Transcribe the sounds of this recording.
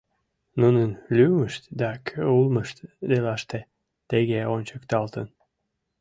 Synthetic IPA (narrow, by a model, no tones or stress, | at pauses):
nunənlyməʃt̪d̪ɑkʰøulməʃt̪d̪elɑʃt̪e | t̪eɣeonʲt͡ɕəkt̪ɑlt̪ən